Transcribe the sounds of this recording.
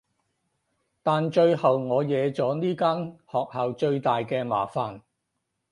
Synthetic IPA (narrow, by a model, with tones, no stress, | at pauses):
t̪aː˨nt͡ʃɵ˧ɥhɐ˨wŋɔː˨˧jɛː˨˧t͡sɔː˨˥niː˥kaː˥nhɔː˨k̚hɐː˨wt͡ʃɵ˧ɥt̪aː˨jkɛː˧ma̰ː˨˩faː˨n